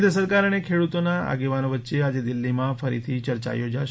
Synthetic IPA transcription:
d̪ʱəsəɾkaɾənekʰeɽut̪onaa̰ɡeʋanoʋətːʃead͡ʒed̪ɪlːimãfəɾḭt̪ʰit͡ʃəɾt͡ʃa̰jod͡ʒaʃ

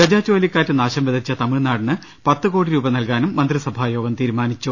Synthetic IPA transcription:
kɐd͡ʑaːt͡ɕːoːlikʲːaːtːɨnaːɕɐmʋeðɐt͡ɕːɐt̪ɐmiɭnaːɽɐnːɨ | pɐt̪ːɨko̞ːɽiɾuːbɐnɐlkaːnumːɐnd̪risɐbʱaːjo̞ːɡɐmt̪iːɾumaːnit͡ɕːu

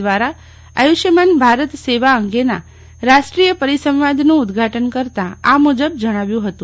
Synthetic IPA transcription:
ʋaɾa | ə̰juʃjəmanbʱaɾət̪seʋaəŋɡena̰ | ɾaʃʈɾijəpəɾisə̃mʋad̪ʱnũːd̪ɡʱaʈənkəɾt̪ãamud͡ʒəbd͡ʒəɽ̃ãʋjũɦət̪ũ

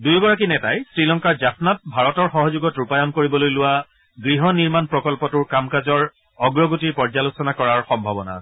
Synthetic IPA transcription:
dujɡɔɹak̬inɛtajsɹilɔŋkaɹd͡ʒapnat̚bʱaɹɔtɔɹxɔɦɔzuɡɔtupajɔmkoɹibɔlojlʊwa | ɡɹiɦɔniɹmanpɹɔkɔlpɔtʊɹkamkazɔɹ | ɔɡɹɔɡutiɹpɔɹzalosɔnakɔɹaɹxɔmbʱabɔna̰

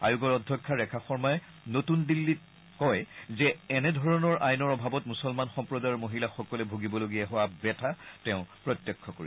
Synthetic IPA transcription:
a̰juɡɔɹɔdʱjɔkʰːaɹɛkʰaxɔɹmɔjɛ | notundilːit̚ | kɔjzɛːnɛdʱɔɹɔnɔɹʔajnɔɹɔbʱabɔtmusɔlmanxɔ̃mpɹɔdaɹmoɦilaxɔkɔlɛbʱuɡibɔloɡijaɦʊwabɛtʰatɛ̃ʊ̃pɹɔtjɔkʰːɔkoɹḭ

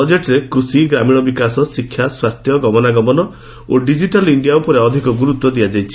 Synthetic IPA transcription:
ɔd͡ʒeʈɾekɾusiɡɾamiɽ̃ɔbikasɔsikʰːjaswaɾt̪jɔɡɔmɔnaɡɔmɔnɔ | oɖid͡ʒiʈɔliɳɖijaupɔɾeɔd̪ʱikɔɡuɾut̪wɔd̪ijad͡ʒajt͡ʃʰi̥

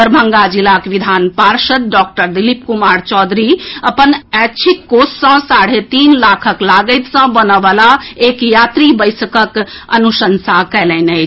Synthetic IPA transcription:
əɾbʱə̃ŋɡad͡ʒilakʋid̪ʱaːnpaːɾʃəd̪̚ɖɔːk̚ʈəɾd̪ilipkumaːɾt͡ʃɔːd̪ʱɾiəpənɛt͡ʃʰit̪koːssə̃saːɽ̤et̪iːnlaːkʰəklaːɡət̪sə̃bənəʋalaeːkjaːt̪ɾibəjsəkək | ə̰nuʃənsakɛːlɛ̃ne

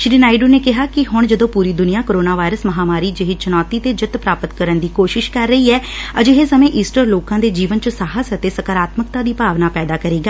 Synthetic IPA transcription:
ʃɪɾiːnaːɪɖuːneːkɪɦaːkɪɦʊɳd͡ʒəd̪õːpuːɾiːd̪ʊnijaːkoɾoːnaːʋaːɪɾəsməɦaːmaːɾiːd͡ʒɪɦit͡ʃənɔːt̪iːt̪eːd͡ʒɪt̪pɾaːpət̪kəɾənd̪iːkoːʃɪʃkəɾːəiːɛːəd͡ʒeɦeːsəmẽːʔiːsʈəɾloːkãːd̪eːd͡ʒiːʋənt͡ʃəsaːɦəsət̪eːsəkaːɾaːt̪məkt̪ãːd̪iːpaːʋnaːpɛːd̪aːkəɾeːɡaː

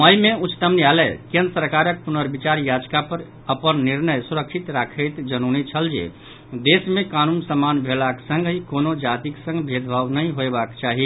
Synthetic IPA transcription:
məjmẽut͡ʃt̪əmnialɛkẽnɾsɾkaɾək̚punəɾbit͡ʃaɾjad͡ʒkapəɾ | əpənniɾnəjsuɾəkʃʰit̪ɾakʰət̪d͡ʒənunit͡ʃʰəld͡ʒḛ | d̪esmẽkanunsəmanbʱelaksə̃ŋɡɦikonod͡ʒat̪iksə̃ŋɡbʱed̪bʱaʋnəɦĩɦoebakt͡ʃaɦi

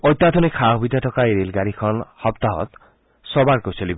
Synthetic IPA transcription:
ɔjt̪ːad̪ʰʱɔnekʰaɦbid̪atʰɔkaiɾilɡaɾikʰɔnhɔpt̪aɦɔ̰t̪ | sɔbaɾkosɔlibɔ

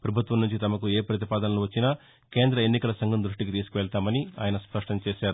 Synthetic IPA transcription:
pɾɐbʱut̪ʋɐmnuɲt͡ʃit̪ɐmɐkueːpɾɐt̪̬ipaːd̪ɐnɐluʋɐt͡ʃːinɐ | ke̞ːnd̪ɾɐenːikɐlɐsɐŋɡɐmnd̪ɾuʂʈikit̪iːsu̥kuʋɛɭt̪aːmɐnia̰ːjɐnɐspɾɐʂʈɐnt͡ʃeɛːʃaːɾu

